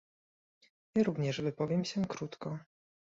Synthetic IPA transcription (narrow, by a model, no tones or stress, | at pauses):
ɲɘɾuvɲɛʂvɘpɔvʲjɛmɕɛkɾut̪kɔ